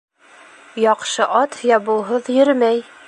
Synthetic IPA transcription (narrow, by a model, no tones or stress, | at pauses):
jɒqʃɤʔɑt̪jɑbulˠɦɤðjɵ̆ɾmæj